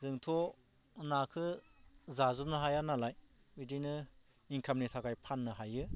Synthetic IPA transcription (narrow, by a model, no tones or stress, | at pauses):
zɯŋtʰɔ | nakʰɯzazunɯɦajanalaj | widinɯ | iŋkʰamnitʰakajpʰanːɯɦajɯ